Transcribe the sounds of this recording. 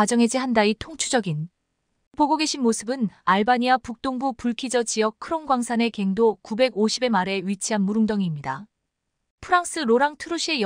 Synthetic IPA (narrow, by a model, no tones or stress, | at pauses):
ad͡ʑʌŋɦe̞d͡ʑiɦandaitʰoŋt͡ɕʰud͡ʑʌɡin | poɡoɡe̞ɕʰinmosʰɯbɯnaɭbaɲiapuk̚t͈oŋbupuɭkʰid͡ʑʌt͡ɕiʌk̚kʰɯɾonɡwaŋsʰane̞ke̞ŋdokube̞ɡoɕʰibe̞maɾe̞ɥit͡ɕʰiɦanmuɾɯŋdʌŋimɲida | pʰɯɾaŋs͈ɯɾoɾaŋtʰɯɾuɕʰie̞j